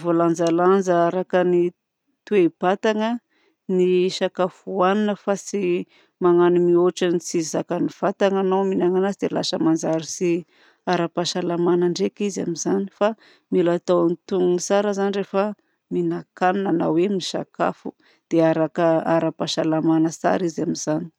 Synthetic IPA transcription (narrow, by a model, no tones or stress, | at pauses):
voland͡zaland͡zəaɾakəni | t̪ueb̥at̪aŋə | niʃakafuaninəfasi | maŋanimioʈ͡ʂanit͡sizakəniv̥at̪aŋanawminaŋanazid̪ela̰səmand͡zaɾisi | aɾapaʃalamanaɳɖ͡ʐekiza̰mizani̥fa | milat̪awnit̪uŋisaɾəzanirefə | minakaninanawemniʃaka̰fu | d̪̥eaɾakəaɾapaʃalamanəsa̰ɾizamizani̥